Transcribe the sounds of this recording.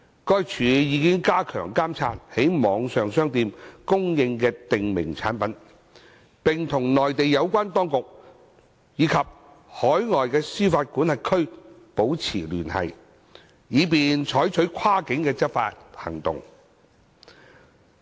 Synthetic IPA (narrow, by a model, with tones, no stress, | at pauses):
kɔː˥jt͡ʃʰyː˨˧jiː˨˧kɪ˥ŋkaː˥kʰœ̰ː˨˩ŋkaː˥mt͡sʰa̰ː˧˥nhe˨˥jmɔː˨˧ŋsœː˨ŋsœː˥ŋt̪iː˧mkʊ˥ŋjɪ˧ŋkɛː˧t̪ɪ˨ŋmɪ̰˨˩ŋt͡sʰaː˨˥npɐ˨˥n | pɪ˨ŋt̪ʰʊ˨˩ŋnɔː˨jt̪e˨jːɐ˨˧wkʷaː˥nt̪ɔː˥ŋkʊ˨k̚ | jiː˨˧kʰɐ˨p̚ | hɔː˨˥jŋɔː˨jkɛː˧syː˥faː˧t̚kuː˨˥nhɐ˨jkʰɵ˥ɥpo˨˥wt͡sʰiː˨˩lyː˨˩nhɐ̰˨˩j | jiː˨˧p̬iː˨nt͡ʃʰɔː˨˥jt͡ʃʰɵ˨˥ɥkʷʰwaː˥kɪ˨˥ŋkɛː˧t͡sɐ˥t̚fa̰ː˧t̚hɐ̰˨˩ŋt̪ʊ̰˨ŋ